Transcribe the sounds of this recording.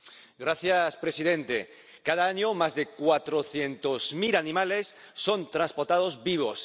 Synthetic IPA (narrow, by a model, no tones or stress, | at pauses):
ɡɾaθjaspɾesiðẽnt̪e | kaðaaɲomazðekwat̪ɾoθjent̪ozmilanĩmalesː | ont̪ɾãnspoɾt̪að̞ozβiβ̞os